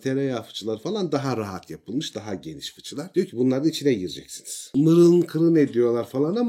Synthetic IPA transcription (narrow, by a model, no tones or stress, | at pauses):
t̪ʰeɾɛjafɯ̥t͡ʃʰɯlˠaɾfalˠand̪aɦaɾaɦat̪ʰjapʰɯlˠmɯʃd̪aɦaɟe̞ni̥ʃfɯ̥t͡ʃʰɯlˠaɾ̥dijocʰibunlˠaɾɯnit͡ʃʰinɛɟiɾd͡ʒɛcsiniz̥mɯɾɯlˠɯnkʰɯɾɯned̪ijo̞lˠaɾfalˠanama